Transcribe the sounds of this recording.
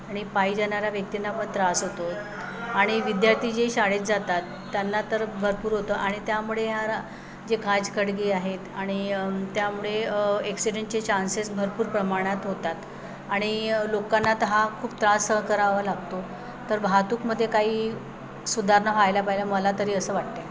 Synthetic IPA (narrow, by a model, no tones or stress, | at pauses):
aɽ̃ipaɦid͡zanaɾjaʋjək̚t̪inapəɳt̪ɾasɦot̪o | aɽ̃iʋid̪jaɾt̪ʰiːd͡ʑeɕaɽet̪̚d͡zat̪at̪ːjanːat̪əɾbʱəɾpuːɾɦot̪əʔaɽ̃it̪jamuɭeɦjaɾ | d͡ʑekãd͡zkəɽɡiːaɦet̪aɽ̃it̪jamuɭeeksiɖeɳʈ̚t͡ɕet͡ɕansesbʱəɾpuːɾpɾəmaɽ̃at̪ɦot̪at̪ | aɽ̃ilokanːat̪əɦakʰuːpt̪ɾasəkəɾaʋəlaɡ̚t̪o | t̪əɾbʱat̪uːkməd̪ʱːjekaɦiː | sud̪ʱaɾnafajlapaɦilaməlat̪əɾiːəsəːʋaʈ̚t̪e